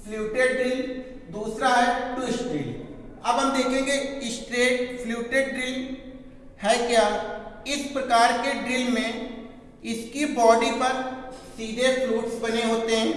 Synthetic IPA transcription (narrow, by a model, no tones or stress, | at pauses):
fluːʈeɖɖɾɪl | d̪uːsɾaɦɛʈuɪsʈɾḭːɖ | ɐbɦɐmd̪eːkʰẽːɡeɪsʈɾeːʈfluːʈeɖɖɾɪl | hɛːkjaːɪspɾɐkaːɾkeɖɾɪlmẽ | ɪskibɔːɖipɐɾsiːd̪ʱefʰluːʈsbɐneɦoːt̪eɦɛ̃ː